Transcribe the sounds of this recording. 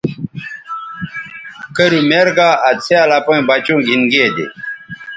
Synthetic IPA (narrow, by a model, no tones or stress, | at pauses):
kɐɾumeɾɡaːɐt͡sʰealapõĩbat͡ɕõːɡʱinɡeːd̪ḛ